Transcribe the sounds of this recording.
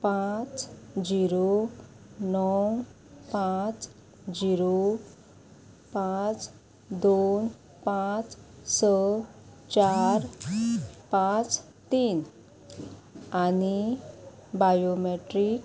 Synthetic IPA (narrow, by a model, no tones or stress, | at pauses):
pãt͡sd͡ʑiɾo | nɔw | pãt͡s | d͡ʑiɾo | pat͡s | d̪on | pãt͡ssə | t͡ɕaɾ | pãt͡s | t̪iːn | ani | bajomeʈɾik